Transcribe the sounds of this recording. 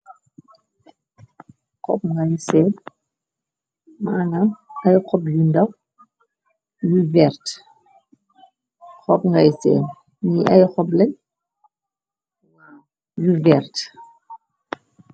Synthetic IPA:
kɔpŋɡɐjsɛm | manamɐjkɔpjundɐw | juvɛrt | xɔpŋɡɐjsɛ̰ːn | ɲiʔɐjxɔplɐɲ | juvɛrt

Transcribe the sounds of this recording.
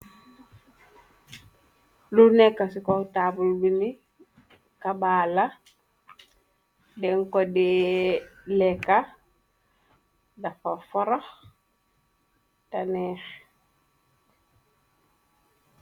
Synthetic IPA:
lunekːasikotabulbini | kabaːla | dɛŋkodɛ | lɛka | dafofɔɾɔx | tanɛx

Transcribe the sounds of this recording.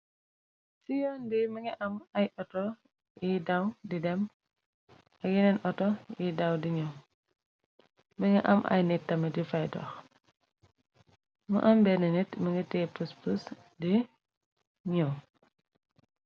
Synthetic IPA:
sijɔːndiməŋɐʔɐmɐjʔɔtɔ | jidɐwdidɛm | ɐjinɛnʔɔtɔjidɐwdiɲɔw | məŋɡɛʔɐ̰mʔɐ̰jnitːɐmədifɐjdɔ̰x | mṵʔɐmbɛnɐnitməŋɡitɛːpuspus | di | ɲɔ

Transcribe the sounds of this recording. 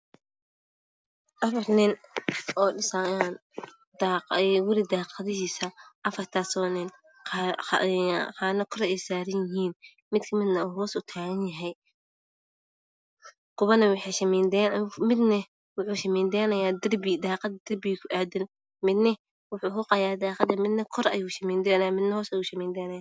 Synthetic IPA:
ʔɐfɐrnɪnʔɔːɖɪsaːjan | d̪aɛwʊɾɪd̪aːqɑðɪɦiːsɐʔɐfɐrt̪ʰaːsɔːnɪn̰ | qɑːnɐkʰʊɾɛɛjsaːɾɐnjɪɦiːn | mɪd̪kʰɐmɪd̪nɐuːɦɔːsʊt̪ʰaːɣɐnjɐɦɛj | kʊβɐnɐwɑħɑʃɐmɛːnd̪ɛːnmɪd̪nɐ | wʊħuːʃɐmɛːnd̪ɛːnɐjaːd̪ɐrbɪd̪aːqɑd̪d̪̥ɐrbɪkʰʊʔaːd̪ɪn | mɪd̪nɐ | wʊħuːkʊqɑjaːd̪aːqɑd̪ɐmɪd̪nɐkʰɔɾɐ̰juːʃɐmɛːnd̪ɛːnɐjaːmɪd̪nɐhɔːsɐjuːʃɐmɛːnd̪ɛːnɐjaː

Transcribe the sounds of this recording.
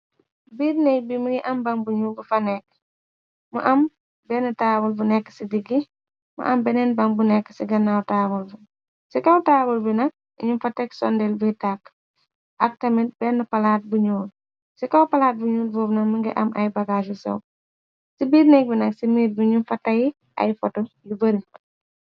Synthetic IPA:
biːdnɛk̚bimiɡiʔɐmbɐŋbuɲuːlbufɐnɛk | mṵʔɐm | bɛnɐtaːbulbunɛkːə̥sidiɡːi | mɐ̰ʔɐmbɛnɛnbɐŋbunɛkːəsiɡɐnːawtaːbulbu | sikɐwtaːbulbinɐk̚ | iɲumfɐtːɐksɔndɛlbitakː | ʔɐk̚tɐmit̚bɛnːəpɐlaːt̚buɲuːl | sikɐwpɐlaːt̚buɲuːlbɔːbnɐkmiŋɡɛ̰ʔɐmʔɐjbɐɡaːʃ̬usɐ̰w | sibiːrnɛk̚binɐksimiːɾbiɲumfɐtːɐji | ʔɐ̰jfɔtɔjubɐɾi

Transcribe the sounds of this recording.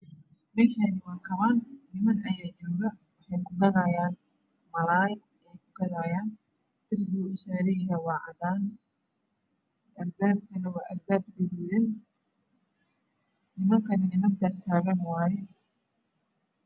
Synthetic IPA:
mɛːʃanɪwaːkʰɐβannɪmɐnɐjaːt͡ʃɔːɣɐwɑħɑjkʰʊɡɐɾaːjaːn | mɐlaːj | ɛjkʰʊɡɐɾaːjaːn | t̪ɪrɡuːʊsaːɾɛjjɐwɑːʕɑd̪aːn | ɐlbaːb̚kʰɐnɐwɑːʔɐlbaːb̚ɡɪdɪðɛn | nɪmɐŋkʰɐnɪnɪmɐnd̪ɐrt̪ʰaːɣɐnwaːjɛ

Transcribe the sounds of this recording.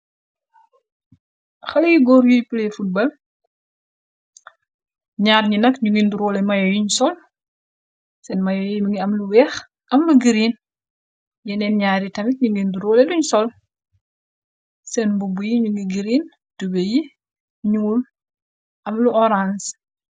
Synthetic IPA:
xɐljiɡɔːɾjujpulɛfut̚bɐl | ɲaːɾɲinɐkɲuɡinduɾɔːlɛmɐjɔjiɲsɔl | sɛnmɐjɔjmuŋɡiɐmluwɛx | ʔɐmluɡiɾiːn | jɛnɛnɲaːɾitɐmik̚ɲuɡinduɾɔːlɛluɲsɔl | sɛnbubujiɲuŋɡiɡiɾiːn | tubeji | ɲul | ʔɐmluɔɾans

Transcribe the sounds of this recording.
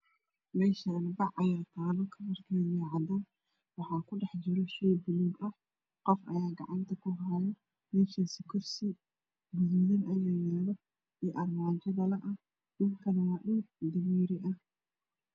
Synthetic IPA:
mɛːʃaːnbɑʕɐjaːt̪ʰaːlɔkʰɐmɐrkʰaːjɐʕɑd̪aːn | wɑħɑːkʰʊɖɛħd͡ʒɪɾɔʃɛjbʊluːɡɐh | qɔfʔɐ̰jaːɡɑʕɑnt̪ʰɐkʰʊɦajɐ | mɛːʃasɪkʰɔrsɪ | ɡʊðuðɪnɐjaːjaːlɔ | iːʔɐrmaːt͡ʃɐðɐlɐʔɐh | ʔɪnkʰɐnɐwɑːʔuːɡ̚d̪ɐmiːɾɪʔɐh

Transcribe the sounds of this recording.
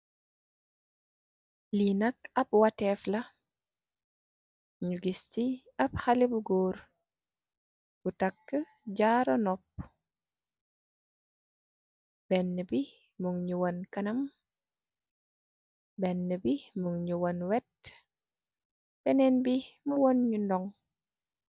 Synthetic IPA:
linɐkɐb̚watɛflɐ | ɲuɡisti | ɐb̚xɐlibuɡoːɾ | b̥utɐkːə | ɟaːɾɔnɔp̚ | bɛnːəbi | muŋɲuwonkɐnɐm | bɛnːəbimuŋɲuwonwɛt̚ | b̥ɛnɛnbimuwonɲundɔŋ

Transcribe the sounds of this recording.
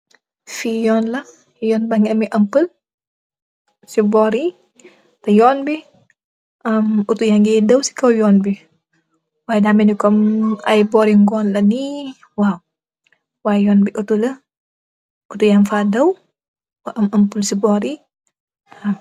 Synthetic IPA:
fijɔːnlɐ | jɔːnbaŋiɐmiʔɐmpəl | sibɔːɾi | tɐjɔːnbi | ʔɐmutujaŋɡɛdɐwsi̥kɐwjɔːnbi | waːjɛdamɛnikɔmɐjbɔːɾiŋɡɔːnlɐni | waw | waːjɛjɔːnbiʔutulɐ | ʔutujanfaːdɐw | wɐʔɐmɐmpəlsibɔːɾi | ɐm

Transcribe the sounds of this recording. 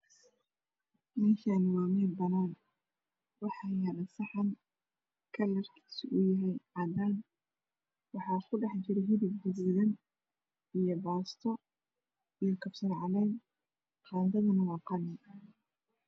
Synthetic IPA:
mɛːʃanmaːmɛːd̪bɐnaːn | wɑħɑːjɐɾɐsɑħɑn | kʰɐlɐrkʰi̥ːsɪʔʊjɐɦɛjʕɑːd̪aːn | wɑħɑːsʊɖɑħt͡ʃɪɾɦɪðɪb̚d̪ʊɣuːðɐn | ijɔbaːst̪ʰɔ | ijɔkʰɐfsɐrʕɑlɛjn | qɑːðɐðɐnɐwɑːqɑnɪ

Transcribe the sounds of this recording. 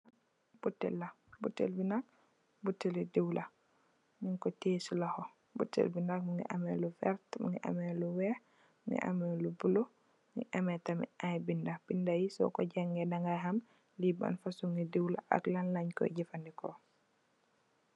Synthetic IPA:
b̥utːɛ̰lːa | butːɛ̰lbinak̚ | butːɛludewla | niŋkɔtesulahɔ | bṵtːɛ̰lbinak̚muŋɡḭʔamɛlufɛ̰ɾtmṵŋɡḭʔa̰mɛluwɛh | muŋɛ̰ʔa̰mɛlubulo | ŋɡiʔamɛtamḭajbindab̥indajisɔ̰kɔɟaŋɡɛdaŋɡajɦam | liba̰nfasuŋɡidewlaʔa̰klanlaɲkɔ̰ɟifandikɔ

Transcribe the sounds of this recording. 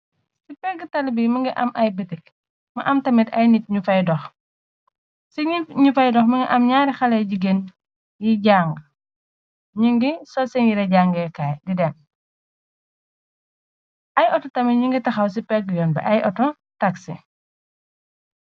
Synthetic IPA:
sipɛɡːətɐlbimɐŋɡiʔɐmʔɐjbətik̚ | mɐʔɐmtɐmitɐjnit̚ɲufɐjdɔx | siiɲufɐjdɔxmɐŋɡiʔɐmɲaːɾixɐlɐjɟiɡen | jiɟaːŋɡ | ɲuŋɡisɔsiŋɡiɾɛɟaːŋɡɛkaːjdidɛn | ʔɐjʔɔtɔtɐmɐɲuŋɡitɐxɐws̬ipɛɡːjɔːnbɐ̰ʔɐjɔtɔ | tɐksḭ

